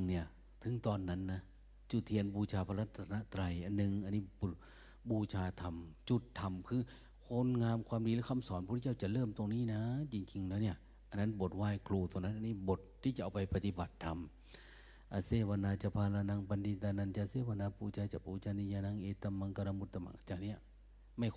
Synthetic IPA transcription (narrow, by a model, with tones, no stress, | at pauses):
ŋni˧˩ɐ | t̪ʰɯ˨˦ŋt̪ɔː˧nːa˦˧˥nːa˦˧˥ | t͡ɕu˧˩t̪ʰːi˧ənbuː˧˩t͡ɕʰaː˧pʰa˧la˦˩t̪ʰːa˧a˧na˧˥t̪ɾa˧jʔa˧nːɯ˧ŋʔa˧nːiː˧˩bu˧˩ | buː˧˩t͡ɕʰaː˧t̪ʰa˧mt͡ɕu˧˩t̪ʰːa˧mkʰɯː˧˩ | kʰo˧˥nŋaː˧mkʰwaː˧mdiː˧lɛː˧˥˩kʰa˧˥˨msɔː˨˦npʰu˧˦a˥˩˧t͡ɕa˧˩lɤː˥˩mt̪o˧ŋniː˥˨na˦˥t͡ɕi˧ŋt͡ɕi˧ŋlɛː˦˥wni˧˥˩ɐ | ʔa˧˨nːa˦˥nbo˨˦t̪̚waː˧˥˩jkʰluː˧˩t̪ʰu˧˨na˧˥nʔa˨niː˧˥˩bo˨˦t̪̚t̪ʰːiː˧˩t͡ɕa˨ʔa˧wpa˧jpa˧t̪i˧˦ba˨˩t̪ʰːa˧m | ʔa˧seː˧˩wa˧naː˧t͡ɕa˧˩pʰaː˧la˧na˧ŋpa˧ndi˧nt̪a˧na˧nt͡ɕa˧seː˧˩˨wa˧naː˧pʰuː˧t͡ɕʰaː˧t͡ɕa˧˩p̚uː˧t͡ɕaː˧ni˧jaː˧naː˧˥ŋʔeː˧˩t̪ːa˧mːa˧ŋka˧ɾa˧mu˧t̪ʰːa˧mʔa̰˧˩ŋʔa˧˨t͡ɕaː˧˩k̚ni˦˥˩ɐ | ma˧˩j